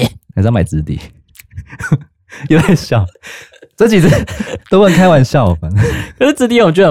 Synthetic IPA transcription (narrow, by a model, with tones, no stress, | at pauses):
sjma˨˩t͡sɹ̩˧˦t̪ḭ˨˩ | o˥˧t̪ʰa˥˧ɪɕjɑ˥˨˩ʊ | t͡sə˥t͡ɕi˨˩˧t̪o˥ʊ˥˨˩ŋkʰa˥ɪwa˧˦nɕjɑ˥˨ʊfa˨˦ə˦ʂ̩˥˧t͡sɹ̩˧˥t̪i˥˨wt͡ɕə˨